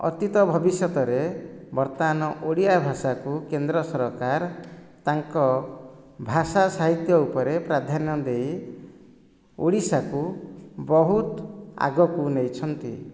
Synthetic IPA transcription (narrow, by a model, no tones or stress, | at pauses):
ɔ̰t̪it̪ɔbʱɔbisjɔt̪ɔɾebɔɾt̪ɔanɔʔoɽijabʱasakukend̪ɾɔsɔɾɔkaɾ | t̪aŋkɔ | bʱasasaɦit̪jɔupɔɾepɾad̪ʱanɔd̪ej | oɽisakubɔɦut̪a̰ɡɔkunejt͡ʃʰɔnt̪i